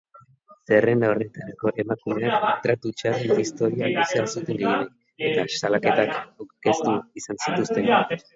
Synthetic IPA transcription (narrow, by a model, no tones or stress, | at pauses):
se̞re̞nd̪ao̞re̞t̪aɾako̞ʔe̞makume̞akt̪ɾat̪ut͡ʃaɾenist̪o̞ɾiabiseasut̪e̞ŋɡeɣinek | e̞t̪asalake̞t̪akke̞st̪uisansit̪ust̪e̞n